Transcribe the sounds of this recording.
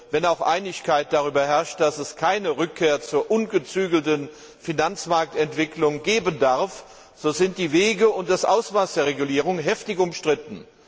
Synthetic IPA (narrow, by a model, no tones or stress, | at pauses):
vɛnaʊxʔa̰ɪnɪçkʰaɪt̚d̥aʁ̞yːbɐɦɛɐʃt̚d̥asɛskʰaɪnəʁʏkʰːeːɐt͡suːɐʔʊnɡət͡syːɡl̩tən | finant͡smaɐk̚tɛntv̥ɪklʊŋɡeːbəndaɐf | z̥oːzɪnt̚d̥iːveːɡəʊnt̚d̥asʔaʊsv̥aɪsd̥eːɐʁ̞eɡuliːʁ̞ʊŋɦɛftɪçʊmʃtʁ̥ɪtn̩